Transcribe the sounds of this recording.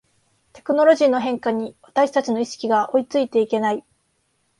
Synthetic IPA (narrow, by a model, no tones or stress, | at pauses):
t̪e̞̥kɯ̟no̞ɾo̞ʑiːno̞ɦẽ̞ŋkaɲ̟iβat̪aɕi̥t̪at͡ɕino̞iɕi̥kʲiɡaʔo̞it͡sɨit̪e̞ike̞nai